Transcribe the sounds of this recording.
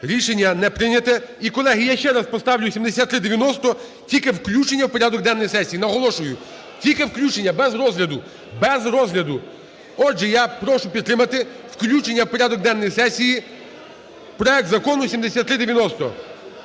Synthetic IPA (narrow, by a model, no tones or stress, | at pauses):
ɾʲiʃenʲːɐnɛpɾɪnʲɐt̪ɛikɔlˠɛɦijaʃt͡ʃɛɾɐspɔst̪ɑwlʲʊsʲimd̪esʲat̪ːɾɪd̪eʋʲjɐnɔst̪ɔ | tʲilʲkɪwklʲut͡ʃenʲːɐwpɔɾʲad̪ɔɡ̚d̪ɛnːɔjsɛsʲijinɐɦɔlˠɔʃʊjʊ | tʲilʲkɪwklʲut͡ʃenʲːɐbɛzɾɔzɦlʲɐd̪ʊ | bɛzɾɔzɦlʲɐd̪ʊ | ɔʒɛjapɾɔʃʊpʲid̪t̪ːɾɪmɐt̪ɪ | wklʲut͡ʃenʲːɐwpɔɾʲad̪ɔɡ̚d̪ɛnːɔjisɛsʲiji | pɾɔɛk̚t̪zɐkɔnʊsʲimd̪esʲat̪ːɾɪd̪eʋʲjɐnɔst̪ɔ̰